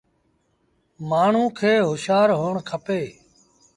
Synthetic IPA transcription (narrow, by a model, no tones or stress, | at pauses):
maːɳ̤ũːkʰeːɦʊʃaːɾɦoːɳkʰəpeː